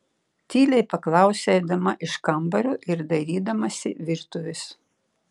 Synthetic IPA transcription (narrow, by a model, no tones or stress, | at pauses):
t̪ʲiːlʲɛɪpɐklˠɑˑʊsʲɛd̪ɐmɐʔɪʃkɐmbɐɾʲʊʔɪɾd̪ɐɾʲiːd̪ɐmɐsʲɪ̰ʋʲɪɾt̪ʊʋʲɪs